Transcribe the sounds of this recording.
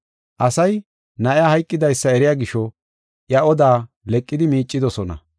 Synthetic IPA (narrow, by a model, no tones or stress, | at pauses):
ʔɐsɐj | nɐʔɪjahɐjkʼːɪd̪ɐjsːɐɛɾɪjaːɡɪʃɔ | ʔjɐɔd̪aː | lɛkʼːɪd̪ɪmiːt͡ʃʼːɪd̪ɔsɔnɐ̰